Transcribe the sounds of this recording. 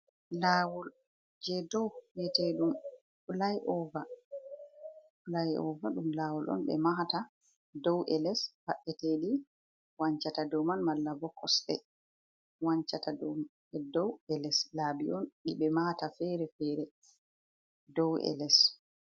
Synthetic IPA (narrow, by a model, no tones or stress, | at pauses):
laːwɔl | d͡ʒɛdɔwwɛtɛɗum | ulajʔɔva | ulajɔ̰vaɗumlaːwɔlʔɔ̰nɓɛ̰maɦata | dɔwʔɛlɛshaɓːɛteɗi | waɲt͡ʃatadɔmanmalːabɔkʰːɔsɗɛ̰ | waɲt͡ʃatadɔm | ɛdɔwɛlɛslaːbiɔnɗiɓɛmahatafɛɾɛfɛːɾɛ | dɔwɛ̰lɛs